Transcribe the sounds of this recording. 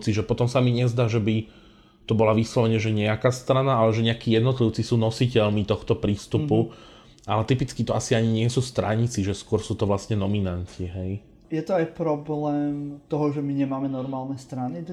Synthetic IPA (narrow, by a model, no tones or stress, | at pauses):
t͡siʒɛpɔt̪ɔmsamiɲɛzd̪aːʒɛbi | t̪ɔbɔlaʋislɔʋɛɲɛʒɛɲɛakaːst̪ɾanaalɛʒɛɲɛakiːjɛd̪nɔt̪liʊt͡sisuːnɔsicɛlmit̪ɔxt̪ɔpɾiːst̪upu | alɛt̪ipit͡skit̪ɔasiaɲiɲɪɛsuːst̪ɾa̰ɲit͡siʒɛskʊɔɾsuːt̪ɔʋlast̪ɲɛnɔminancʰiɦɛj | jɛt̪ɔajpɾɔblɛːmt̪ɔɦɔʒɛmiɲɛmaːmɛnɔɾmaːlnɛst̪ɾani